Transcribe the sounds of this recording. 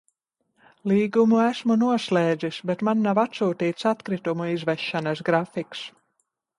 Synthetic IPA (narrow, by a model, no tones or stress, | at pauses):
lˠiːɡumuæsmunuɔslɛːd̪zisbɛt̪manːavat̪suːt̪iːt̪sat̪kɾit̪umuizvɛʃːanas̬ɡɾafiks